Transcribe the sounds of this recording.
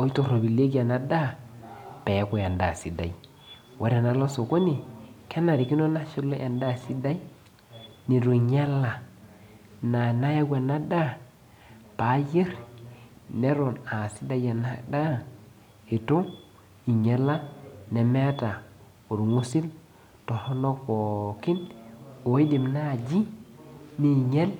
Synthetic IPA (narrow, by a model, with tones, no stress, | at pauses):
i˦to˦˨ɾo˨bi˨le˦k̬i˦a˨na˦da˦ | pɛ˨˦ku˨ja˨nda˨si˨da˨i˦ | wʔa˨ɾa˨na˦lo˦so˨ko˦ni˨kɛ˦na˨ɾi˨ki˦no˦na˦ʃi˦lo˦ʔa˨nda˦˨si˦da˦i˦ | ni˨ɾu˨ɲa˦la˨ | na˨na˦ja˦ɡʷa˨na˦da˦ | pa˨˦je˦ɾ | ne˦ɾo˨na˨si˦da˨ja˨na˦da˦ | e˨to˦ | i˨ɲe˨lːa˦ne˨me˦ta˨ | u˨ɾŋu˦si˦l | to˨ho˦no˦ko˨ki˦no˨i˦di˨mna˦˨d͡ʒi˦ | ni˦ɲe˦l